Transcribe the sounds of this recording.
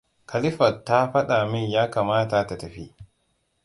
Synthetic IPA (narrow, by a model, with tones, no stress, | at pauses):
kʰɐ˨lɪ˦ɸɐ˨tːa˦ɸɐ˦ɗa˨mɪ˦ɲjaː˦kaː˨maː˦ta˨ta˨tɐ˨ɸiː˦